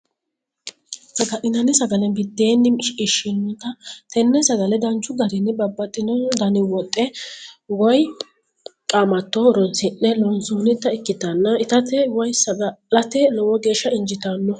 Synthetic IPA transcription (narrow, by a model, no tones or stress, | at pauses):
sɐɡɐʔɪnɐnɪsɐɡɐlɛnbɪd̪ːeːnːɪʃɪʃɪnːʊt̪ɐt̪ɛnːɛsɐɡɐlɛd̪ɐnt͡ʃːʊɡɐɾɪnɪbɐbːɐt̪ʼːɪnɔd̪ɐnɪwɔt̪ʼːɛwɔj | kʼaːmɐt̪ːɔɾɔnsɪnːɛlɔnsuːnɪt̪ːɐɪkːɪt̪ɐnːɐɪt̪ɐt̪ɛwɔjsɐɡɐlɐt̪ɛlɔwɔɡe̞ːʃːɐɪnd͡ʒɪt̪ɐnːɔ